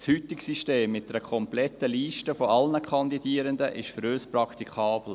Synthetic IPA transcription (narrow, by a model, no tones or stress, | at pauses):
shyt̪ɪksiʃteːmːɪtd̥ɛɾəkʰɔmplɛt̪ːəliːʃtəfoɑlnəkʰɑnd̪idiːəɾənd̪əʔɪʃfəɾøːspɾɑkt̪ikʰɑːb̥l̩